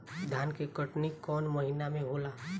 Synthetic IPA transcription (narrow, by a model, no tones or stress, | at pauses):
d̪ʱjaːnkekəʈnikɔːnmɐɦinamẽɦoːlaː